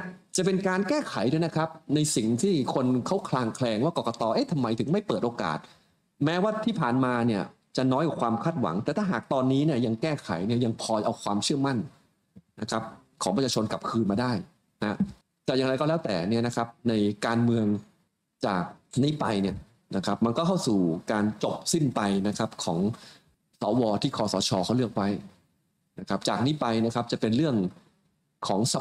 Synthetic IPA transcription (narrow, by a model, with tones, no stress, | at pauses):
t͡ɕa˨˩pe˧nkaː˧nkɛː˥˩kʰa˩˦jdɯ˧˩˨na˦˥kʰa˦˥p̚na˧jsi˨˩ŋt̪ʰiː˥˩kʰo˧nkʰa˦˥wkʰlaː˧ŋkʰlɛː˧ŋwaː˥˩kɔː˨˩kɔ˧t̪ɔː˧ʔe˦˥˩t̪ʰa˧mːa˧jt̪ʰɯ˩˦ŋma˥˩jpɤː˨˩t̪̚ʔoː˧ka̰ː˨˩t̪̚ | mɛː˦˥waː˥˩t̪ʰiː˥˩pʰaː˨˩nmaː˧ni˥˩ɐ | t͡ɕa˨˩nɔː˦˥jka˨˩kʰwaː˧mkʰaː˥˩t̪̚wa̰˩˦ŋt̪ɛː˨˩t̪ʰaː˥˩ɦaː˨˩k̚t̪ɔː˧nːiː˦˥ni˥˩ɐja˧ŋkɛː˥˩kʰa̰˩˦jni˥˩ɐja˧ŋpʰɔː˧jʔa˧wkʰwaː˧mt͡ɕʰɯ˥˩əma˥˩n | na˦˥kʰa˦˥p̚kʰɔː˨˩˦ŋʰpa˧˩t͡ɕʰaː˧o˧nka˨˩p̚kʰɯː˧nmaː˧daː˥˩j | na˦˥ | t̪ɛː˨˩ja˨˩ŋɾa˧jkɔ˥˩lɛː˦˥wt̪ɛ̰ː˨˩ni˥˩ɐna˦˥kʰa˦˥p̚na˧jkaː˧nmɯ˧əŋ | t͡ɕaː˨˩k̚niː˦˥pa˧jni˥˩ə | na˦˥kʰa˦˥p̚ma˧nkɔː˥˩kʰa˥˩wsuː˨˩kaː˧nt͡ɕo˨˩p̚si˥˩npa˧jna˦˥kʰa˦˥p̚kʰɔː˩˦ŋ | sɔː˩˦wɔː˧t̪ʰiː˥˩kʰɔː˨˧˩sɔː˩˦t͡ɕʰɔː˧kʰa˥˩lɯ˥˩ək̚wa˦˥j | na˦˥kʰa˦˥p̚t͡ɕaː˨˩k̚niː˦˥pa˧jna˦˥kʰa˦˥p̚t͡ɕa˨˩pe˧nɾɯ˥˩əŋ | kʰɔː˩˦ŋsa˧